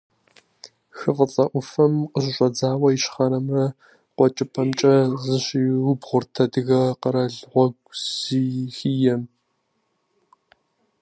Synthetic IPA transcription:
xɨqət͡sʼɐʔʷʊfɐmqəɕ̬ʼɪɕʷʼɐd͡zaːwɐjɪʃχɐɾɐmrɐ | qʷɔt͡ʃʼɪpʰɐmt͡ʃʼɐzɨɕiːwʊbʁʷʊrtʰɐdɨɣɐqəɾɐɮʁʷɔɡʷziːxiːjɛm

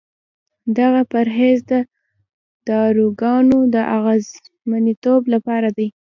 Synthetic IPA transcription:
d̪aɣapaɾɦezd̪ə | d̪̥ɑɾuɡɑnod̪əʔaɣaz | manit̪oblapɑɾad̪aj

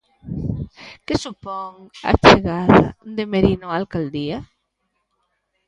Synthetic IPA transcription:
kɪsupɔŋa̰t͡ʃeɣaða̰d̪emeɾinoalkald̪ia

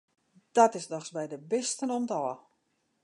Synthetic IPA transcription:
d̥ɔtɪsdɔxsbɛjdəbɪstənɔmdɔːə

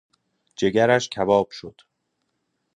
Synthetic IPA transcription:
d͡ʒe̞ɡæɾæʃcʲʰævɒːb̥ʃod̪̥

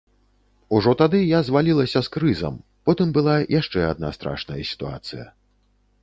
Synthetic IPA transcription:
uʐɔt̪ad̪ɨjazvalʲilˠɐsʲɐskɾɨzɐ̰m | pɔt̪ɨmbɨlˠajʔaʂt͡ʂɛad̪na̰st̪ɾa̰ʂnɐjɐsʲi̥t̪ua̰t̪sɨjɐ̰

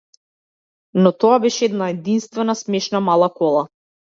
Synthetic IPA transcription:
nɔt̪ɔabɛʃɛɛd̪naɛd̪inst̪vɛnasmɛʃnamalˠakɔlˠa

